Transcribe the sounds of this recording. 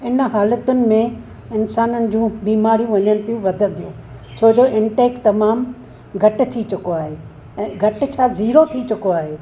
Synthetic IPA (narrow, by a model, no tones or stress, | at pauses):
ɪnɦaːlət̪ʊnɪ̆mẽ | ɪnsaːnənɪ̆d͡ʑũːbiːmaːɾijũʋɐɲənɪ̆t̪ijũʋɐd̪ʱə̃nd̪ijũː | t͡ɕʰoːd͡ʑoːʔɪ̃ɳʈeːkt̪ɐmaːm | ɡʱɐʈɪ̆t̪ʰit͡ɕʊkoaːɦeː | ɛ̃ːɡʱɐʈɪ̆t͡ɕʰaːziːɾot̪ʰit͡ɕʊkoaːɦeː